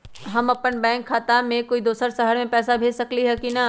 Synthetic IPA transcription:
ɦɐmɐpənbɛ̃ːŋkʰːaːt̪amẽkoːid̪oːsəɾsɐɦəɾmẽpɛːsabʱeːd͡ʒsɐkliɦɛkina

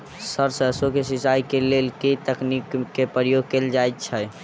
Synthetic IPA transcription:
səɾsəsokesisajkelelket̪əknikːepəɾəjoɡ̚keld͡ʒajt̪̚t͡ʃʰə

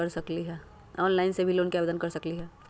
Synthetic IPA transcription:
ɐɾsɐkliɦɛː | ɔːnlaːɪnsebʱiloːnkiaːʋeːd̪ənkɐɾsɐkliɦɛː

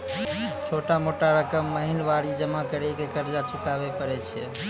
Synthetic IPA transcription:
t͡ʃʰoʈamoʈaɾəkəmːəɦinʋaɾid͡ʒəmakəɾɛkekəɾd͡ʒat͡ʃukabepəɾɛt͡ʃʰiɛ̰

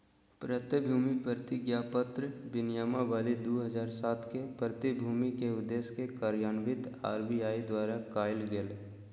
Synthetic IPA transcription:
pɾət̪ɪbʱuːmipɾəɾt̪ɪɡjaːpət̪ɾəbɪnjaːmaʋaːlid̪oːɦəzaːɾsaːt̪ʰkepɾət̪ɪbʱuːmikeʊd̪eːskekəɾjaːnbɪt̪a̰ːɾbiaːid̪waːɾakaːɪlɡɪl

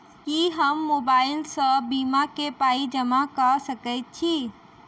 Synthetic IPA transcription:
kiɦəmːobaːɪlsə̃bimakepaːid͡ʒəmakəsəkəɪt̪̚t͡ʃʰi

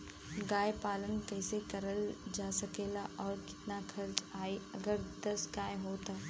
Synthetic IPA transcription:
ɡaːjpaːlənkɐɪsekɐɾəld͡ʒaːsɐkeːlaʔɔːɾkɪ̥t̪nakʰɐɾt͡ʃaːiɐɡəɾd̪ɐsɡaːjɦoːt̪aː

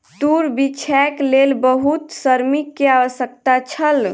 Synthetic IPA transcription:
t̪uɾbit͡ʃʰɛklelbəɦut̪səɾmikːeaʋəsək̚t̪at͡ʃʰəl

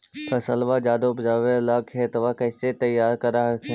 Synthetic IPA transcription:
t̪ɐsɐlʋad͡ʒaːd̪opd͡ʒaːʋelaːkʰeːt̪ɐʋakɐɪset̪ɐjaːɾkɐɾakʰe

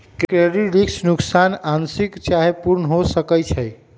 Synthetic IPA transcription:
kkɾeɾiɾiksnuksanansikt͡ʃaɦepuɾnəɦosəkəjt͡ʃʰəj

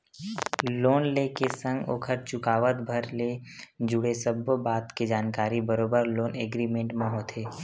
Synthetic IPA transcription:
loːnlekesə̃ŋɡo̰ːkʰəɾt͡ʃʊkaːʋət̪bʱəɾled͡ʒʊɽesəbbaːt̪ked͡ʒaːnkaːɾibəɾoːbəɾloːneːɡɾiːmẽɳʈmẽɦoːt̪ʰɦeː

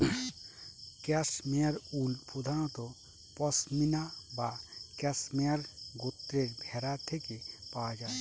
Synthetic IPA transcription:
kɛsmeaɾulpod̪ʱañɔt̪ɔ | pɔsminabakɛsmeaɾɡot̪ːɾeɾbʱɛɾat̪ʰekepawad͡ʒae

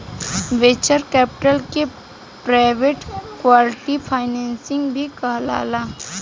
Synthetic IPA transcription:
ʋeːt͡ʃəɾkɛːpɪ̥ʈəlke | pɾaːɪʋeːʈkwaːlɪʈipʰaːɪnɛ̃ːnsɪ̃ŋɡbʱikɐɦla̰ːlaː

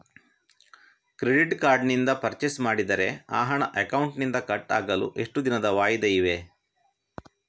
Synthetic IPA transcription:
kɾeɖiʈkaːɾɖnind̪ɐpɐɾt͡ʃesmaːɽid̪ɐɾe̞a̰ːɦɐɳɐʔɐkɐwuɳʈnind̪ɐkɐʈːa̰ːɡɐlṵʔe̞ʂʈud̪inɐd̪ɐʋaːjid̪ɐiʋe

